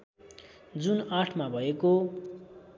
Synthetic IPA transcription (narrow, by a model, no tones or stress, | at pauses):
d͡zunaʈʰmabʱʌeko